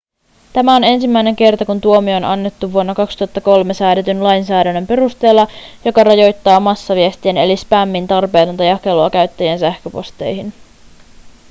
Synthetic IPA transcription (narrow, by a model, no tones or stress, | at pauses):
t̪æmæo̞ne̞nsimːæjne̞ŋk̟e̞rt̪ɑkunt̪uo̞mio̞ːnɑnːe̞t̪ːuʋːuonːɑkɑkst̪uhɑt̪ːɑko̞lme̞sæːde̞t̪ynlɑjnsæːdænːømpe̞ɾust̪e̞ːlːɑjo̞kɑrɑjo̞jt̪ːɑːmɑsːɑʋiest̪iene̞lispæmːint̪ɑrpe̞ːt̪ont̪ɑjɑke̞loɑkæɥt̪ːæjiensæhkøpo̞̰st̪e̞̰jhin